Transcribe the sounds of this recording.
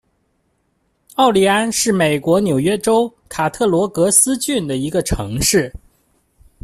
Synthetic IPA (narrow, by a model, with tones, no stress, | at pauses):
ɑ˥˩ʊli˧˥a˥nʂɻ̩˥˩me˨˩ɪkwɔ˧˥njo˨˩ʊɥɛ˥ʈ͡ʂo˥ʊkʰa˨˩t̪ʰɤ˥˩lwɔ˧˥kɤ˧˥sɹ̩˥t͡ɕy˥˩nd̪ə˩i˧˥ɡə˧ʈ͡ʂʰɤ̰˧˥ŋʂɻ̩˥˩